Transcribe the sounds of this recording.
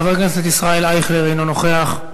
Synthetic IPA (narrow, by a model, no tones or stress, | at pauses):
vaʁkneset̪isʁaelajχleʁejnonoχe̞aχ